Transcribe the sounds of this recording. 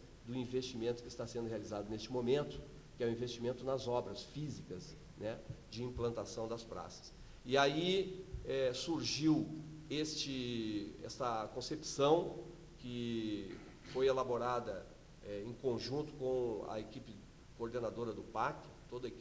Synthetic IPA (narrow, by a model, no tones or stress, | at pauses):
d̪ʊĩvest͡ʃimẽnt̪ʊ̥kɪst̪asẽnd̪ʊɦealizad̪ʊnest͡ʃɪmomẽnt̪ʊ̥ | kɪɛʊ̃ĩvest͡ʃimẽnt̪ʊnɐzɔbɾɐsfizikɐz | nɛd͡ʒɪĩplɐ̃nt̪asɐ̃w̃d̪ɐspɾa̰sɐ̥s | ɪaiɛsuɾʒiwest͡ʃɪɛ̰st̪ɐkõsepsɐ̃w̃ | kɪ | fojelaboɾad̪ɐ | ɛẽj̃kõʒũnt̪ʊ̥kõɐ̰ekipɪ | koɾd̪enad̪oɾɐd̪ʊpaɾkɪ̥t̪od̪ɐe